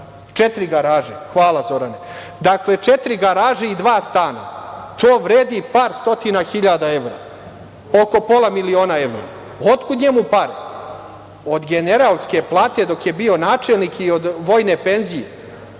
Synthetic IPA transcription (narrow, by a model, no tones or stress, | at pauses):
t͡ʃet̪ɾiɡaɾaːʒexʋaːlˠazo̞ɾane | d̪akle̞t͡ʃet̪ɾiɡaɾaːʒeid̪ʋaːst̪aːna̰t̪oːʋɾeːd̪ipaːɾst̪o̞t̪inaxiʎad̪ae̞ʋɾa̰ | o̞ko̞po̞lˠamilio̞ːnae̞ʋɾa̰ | ot̪kuɲe̞mupaɾe | o̞d̪ɡene̞ɾalˠske̞plˠaːt̪e̞d̪o̞kje̞bio̞naːt͡ʃelˠnikio̞d̪ʋo̞ːjne̞pe̞nzije